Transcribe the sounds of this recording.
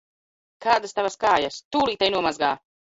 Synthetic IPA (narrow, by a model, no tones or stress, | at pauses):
kʰaːd̪ast̪avaskaːjast̪uːlˠiːt̪ajnuɔmazɡa̰ː